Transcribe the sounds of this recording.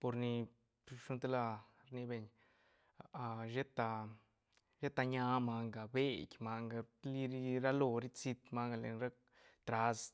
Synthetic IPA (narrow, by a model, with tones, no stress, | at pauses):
po˧ɾni˧ | ʂu˧nt̪e˦la˧ | ɾni˧be˧ɲ | a˧a˧ʒe˦t̪a˧ | ʒe˦t̪a˧ɲa˧ma˧ŋɡa˨be˦˨kʲma˧ŋɡa˧li˧ɾi˦ɾa˦lo˧ɾi˦t͡si˧t̪ma˧ŋɡa˧lḛ˨˧nɾa˦k | t̪ɾa˧s